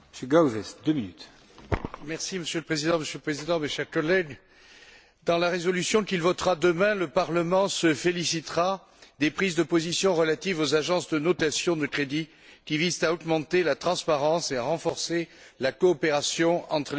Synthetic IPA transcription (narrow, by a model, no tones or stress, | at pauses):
məsjøɡawzɛsd̪øminyt̪ | mɛʁsiməsjøləpχezid̪ɑ̃məsjøləpχezid̪ɑ̃meʃɛʁkɔlɛɡ | d̪ɑ̃laʁezɔlysjɔ̃kilvɔt̪ʁad̪əmɛ̃ləpaʁləmɑ̃səfelisit̪ʁa | d̪epχizd̪əpɔzisjɔ̃ʁəlat̪ivozaʒɑ̃sd̪ənɔt̪asjɔ̃d̪əkχed̪i | kʲivizt̪aɔɡmɑ̃t̪elat̪χɑ̃spaʁɑ̃seaʁɑ̃fɔʁselakɔːpeʁasjɔ̃ɑ̃t̪χə